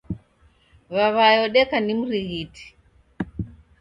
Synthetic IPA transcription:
βaβajɔɗɛkanim̩ɾiɣiti̥

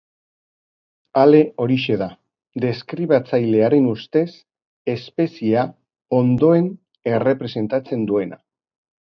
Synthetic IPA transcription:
ale̞ʔo̞ɾiʃe̞ða | d̪e̞skɾiβat͡sajle̞aɾe̞nust̪e̞s | e̞spe̞sia | o̞nd̪o̞e̞n | e̞re̞pɾe̞se̞nt̪at͡se̞nd̪ue̞nʔa̰

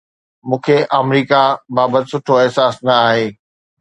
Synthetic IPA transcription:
mũːkʰeʔɐmɾiːkabaːbət̪ɪsʊʈʰoɛɦsaːsnɐaːɦeː

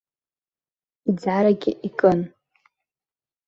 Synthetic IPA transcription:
id͡zʕaɾaɡʲɪ̰ʔikʼɨn

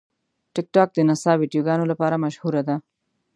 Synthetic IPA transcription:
ʈɪk̚ʈɑːk̚d̪ənasɑwiɖjoɡɑnolapɑːɾamɐʃhuɾad̪a

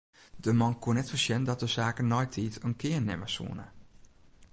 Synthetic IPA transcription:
dəmɔnkunɛtfəsjɛndɔt̚dəsaːkənːɔjtʰiːtənkʰɪːənɛməsṵənə̰

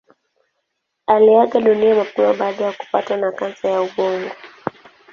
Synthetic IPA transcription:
aliaɠaɗuniamapiaɓaːɗajaku̥pa̰twanakansajauɓɔŋɡɔ

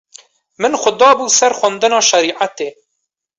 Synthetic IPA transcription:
mɨnxʷʊd̪ɑːbuːsɛɾxʷand̪ɨnɑːʃɛɾiːʕat̪eː

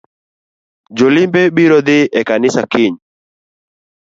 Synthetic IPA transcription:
d͡ʒolɪmbebiɾɔd̪ɪʔɛkanɪsakɪɲ

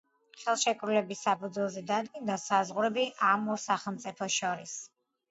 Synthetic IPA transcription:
χɛlˠʃɛkʼɾulɛbisːapʰud̪zwɛlˠzɛd̪ad̪ɡind̪asazʁuɾɛbiʔamɔsaχɛlˠmt̪sʼipʰɔʃɔɾis

